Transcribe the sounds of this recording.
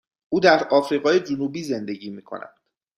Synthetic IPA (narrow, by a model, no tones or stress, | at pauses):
ʔuːd̪æɾɒːfɾiːɣɒːje̞d͡ʒunuːbiːze̞nd̪eɟiːmiːkʰo̞̰næ̰nd̪̥